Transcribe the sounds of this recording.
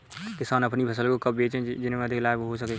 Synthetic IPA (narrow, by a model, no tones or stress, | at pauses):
kɪsaːnɐpnibʰəs̬əlkokɐb̚beːt͡ʃɦẽd͡ʒɪnmẽɐd̪ʱɪklaːebɦos̬əke